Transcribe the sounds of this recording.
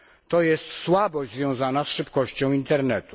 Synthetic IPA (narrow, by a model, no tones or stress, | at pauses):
t̪ɔjɛst̪swabɔʑd͡ʑʲzvʲjɔ̃w̃zanasʂɘpkɔɕt͡ɕɔ̃w̃int̪ɛɾnɛt̪u̥